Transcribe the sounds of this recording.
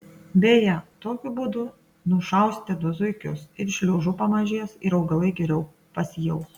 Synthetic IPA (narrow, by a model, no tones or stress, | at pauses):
bʲeːjɛt̪oːkʲʊbuːd̪ʊ | nʊʃɐˑʊsʲt̪ʲɪd̪ʊzʊɪkʲʊsɪɾʃʲlʲuːʒʊpɐmɐʒʲiɛsɪɾɐʊɡɐlˠɐɪɡʲɛɾʲɛʊ | pɐsʲjɛʊ